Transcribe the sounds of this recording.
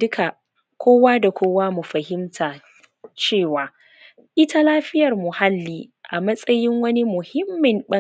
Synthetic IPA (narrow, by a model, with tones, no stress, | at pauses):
dʊ˦kʰa˨ | kʷoː˦waː˦da˨kʷoː˦waː˦mu˨ɸɐ˨hɪ˦mtʰaː˨ | t͡ʃeː˦˨waː˨ | ʔɪ˦tʰa˦laː˦ɸɪ˦jɐ˨rmʊ˨ha˦lːiː˦ʔa˨mɐ˦sʼɐ˦jɪ˦ŋwɐ˦ni˦mʊ˨hɪ˦mːɪ˨mɓɐ˦